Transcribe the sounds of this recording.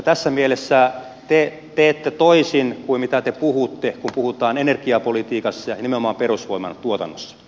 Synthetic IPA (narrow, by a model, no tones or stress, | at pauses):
t̪æsːæmielesːæ | t̪e | t̪eːt̪ːet̪oisinkuimmit̪æt̪epuhut̪ːekumpuhut̪ɑːnenerkiɑpolit̪iːkɑsːɑjɑnimenomɑːmperusʋoimɑ̰nt̪uot̪ɑ̰nːosːɑ̥